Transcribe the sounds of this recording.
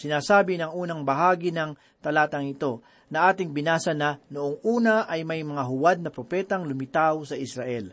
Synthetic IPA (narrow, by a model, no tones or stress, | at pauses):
sɪnaːsaːbɪnɐŋuːnɐŋbɐɦaːɡɪnɐŋ | t̪ɐlaːt̪ɐŋɪt̪o̞ | nɐʔaːt̪ɪŋbɪnaːsɐnɐnoʔoŋʔuːnɐʔɐjmɐjmɐŋaɦʊwad̪̚nɐpɾopɛːt̪ɐŋlʊmɪt̪awsɐʔɪsɾɐʔɛl